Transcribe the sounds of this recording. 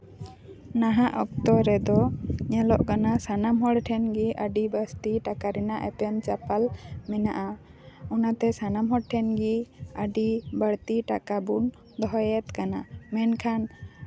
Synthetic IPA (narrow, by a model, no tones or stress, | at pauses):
naɦaʔɔkt̪ɔɾɛd̪ɔɲɛlɔʔkanasanamɦɔɽʈʰɛnɡiʔəɖibəst̪iʈakaɾɛnaʔɛpɔnt͡ʃapalmɛnaʔa | ɔnat̪ɛsanamɦɔɽʈʰɛnɡiəɖibəɽt̪iʈa̰kabun | d̪ɔɦɔjɛt̪kana̰mɛnkʰan